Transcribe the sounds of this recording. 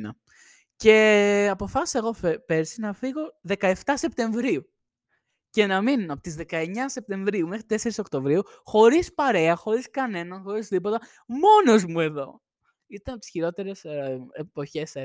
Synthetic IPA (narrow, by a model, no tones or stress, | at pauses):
nɐ̰ | ce̞ɐpo̞fɐsi̥se̞ɣo̞pe̞ɾsinɐfiɣo̞ðe̞kɐe̞ft̪ɐse̞p̚t̪e̞ɱvɾiu | ce̞nɐminɐpot̪izðe̞kɐe̞ɲɐsep̚t̪e̞ɱvɾiume̞xɾit̪e̞se̞ɾiso̞kt̪o̞vɾiu | xo̞ɾispɐɾe̞ɐxo̞ɾiskɐne̞nɐnxo̞ɾizðipo̞t̪ɐ | mo̞no̞zmue̞ðo̞ | it̪ɐnɐp̚t̪i̥sçiɾo̞t̪e̞ɾe̞sepo̞çe̞se